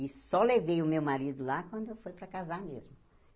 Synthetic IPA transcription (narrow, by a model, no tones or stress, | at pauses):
ɪsɔlevejʊmewmaɾid̪ʊlakwɐ̃nd̪ʊewfojpɾɐkazamezmʊ